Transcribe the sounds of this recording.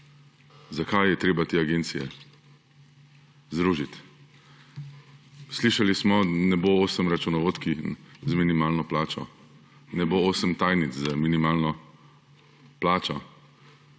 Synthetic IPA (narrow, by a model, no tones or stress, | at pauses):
zakajːɛt̪ɾeːbat̪eːaɡent̪sijɛ̰ | zd̪ɾuːʒit̪ | sliʃalismɔnɛbooːsəmɾat͡ʃunɔʋoːt̪kizminimaːlnɔplaːt͡ʃɔ̰ | nɛbooːsəmt̪ajnizzaminimaːlnɔ | plaːt͡ʃɔ